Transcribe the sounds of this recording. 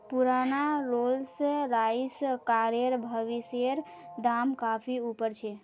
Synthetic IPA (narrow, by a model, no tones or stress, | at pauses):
puɾanaɾolsɾaiskaɾjeɾbʱəʋiseɾ | d̪amkapʰiupəɾt͡ʃʰe